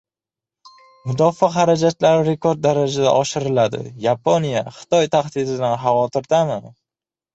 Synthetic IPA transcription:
mʊd̪ɒfaχaɾad͡ʒat̪laɾɪɾe̞koɾd̪̚ːaɾad͡ʒad̪a̰ʔɒʃɪɾɪlad̪ɪ̰japʰonijaχɨ̥t̪ʰɒjt̪ʰaχd̪ɪd̪ɪd̪anɦavɒt̪ʰɪɾd̪amɪ

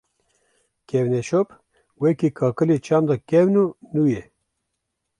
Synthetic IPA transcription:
kewneʃop | wekikʰɑːkɨlit͡ʃɑmd̪ɑkewnunuje

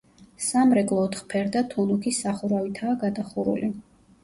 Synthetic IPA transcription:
samɾɛkʼlˠɔːt̪ʰχpʰɛɾd̪at̪ʰunukʰisaχuɾavit̪ʰaːɡad̪aχuɾṵli

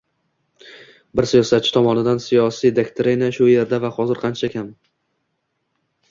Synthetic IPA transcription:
bɪɾsijɒsat̪̚t͡ʃʰɪ̥t̪ʰɒmɒnɪd̪ansijɒsijd̪ekt̪ʰɾinaʃʊje̞ɾd̪avahɒzɪɾqʰɑnt͡ʃʰakʲʰam

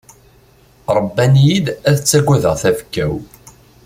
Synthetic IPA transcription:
ɾˤəbːænjid̪æðət͡sːæɡʷːæðəʁθæfkːæw

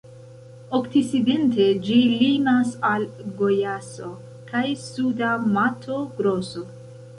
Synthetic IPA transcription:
o̞ktiside̞nte̞d͡ʒilimasalɡo̞jaso̞ | kajsudamatʰoɡɾo̞so

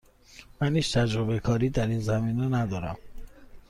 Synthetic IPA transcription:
mæniːt͡ʃt̪ʰæd͡ʒɾobekʰɒːɾiːd̪æɾiːnzæmiːnenæd̪ɒːɾæ̰m

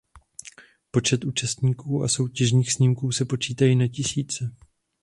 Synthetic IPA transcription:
po̞t͡ʃɛt̪ʔuːt͡ʃast̪ɲiːkuːa̰so̞wcɛʒɲiːxsɲimkuːsɛpo̞t͡ʃiːt̪ajiːnacɪsiːt͡sɛ

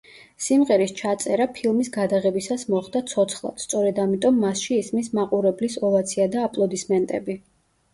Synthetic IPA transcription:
simʁɛɾist͡ʃʰat̪sʼɛɾapʰilˠmisɡad̪aʁɛbisasmɔχd̪at̪sʰɔt̪sʰχlˠa̰t̪st̪sʼɔɾɛd̪amit̪ʼɔmːasʃiːsmismaqʼuɾɛblisɔlˠat̪sʰiad̪aːpʼlˠɔd̪ismɛnt̪ʼɛ̰bi

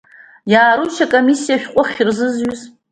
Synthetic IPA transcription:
jaːɾuʃakʼomisːijaʃᶣqʷʼʊχʲɪrzɨzɥʊz

